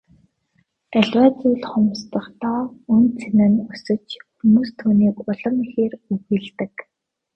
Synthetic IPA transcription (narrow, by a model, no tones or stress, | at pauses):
æɮʲwæːt͡sujɮχʊmst̪ə̆χt̪ʰɔːɵnt͡sʰenɘ̆nʊsɵ̆t͡ɕxumuːst̪ʰuːniːkʊɮə̆mixeːruɣĭːɮt̪ɘ̆k